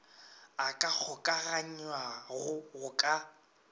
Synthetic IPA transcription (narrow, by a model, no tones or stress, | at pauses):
akʼak͡xʰʊkʼaɣaɲwaɣʊɣʊkʼa